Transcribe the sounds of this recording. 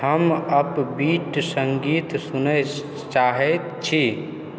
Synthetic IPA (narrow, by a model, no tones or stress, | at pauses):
həməbbiʈsəŋɡit̪sunə | t͡ʃaɦɛt̪t͡ʃʰi